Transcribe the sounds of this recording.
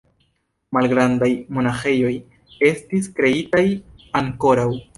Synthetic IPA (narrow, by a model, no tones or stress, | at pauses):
malɡɾandajmo̞naxe̞jo̞j | e̞stiskɾe̞itajaŋko̞ɾaw